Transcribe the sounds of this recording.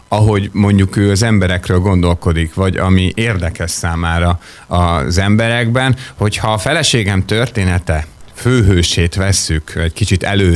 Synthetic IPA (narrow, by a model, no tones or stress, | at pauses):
ɒɦo̞ɟmo̞ɲɟukøːɒzɛmbɛɾɛkrøːlɡo̞nd̪o̞lko̞d̪ikʋɒɟɒ̰miʔeːrd̪ɛkɛʃsaːmaːɾɒ | ɒzɛmbɛɾɛɡbɛnho̞chɒːfɛlɛʃeːɡɛmt̪ø̞rt̪eːnɛt̪ɛføːɦøːʃeːt̪ʋɛsːykɛckit͡ʃit̪ɛ̰løː